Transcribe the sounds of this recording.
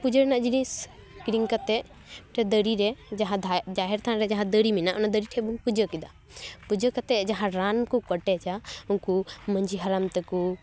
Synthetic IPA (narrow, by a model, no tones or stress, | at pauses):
pud͡ʒəɾɛnaʔd͡ʒinĩs | kɾiŋkat̪ɛʔ | ʈʰɛd̪əɽiɾɛd͡ʒaɦãd̪ad͡ʒaɦɛɾt̪ʰãɾɛd͡ʒaɦãd̪əɽiminaʔɔnad̪əɾiʈʰɛbumpud͡ʒəkid̪a | pud͡ʒəkɐt̪ɛd͡ʒaɦãɾankukəʈɛt͡ʃaunkuməɲd͡ʒiɦaɾamt̪ɛku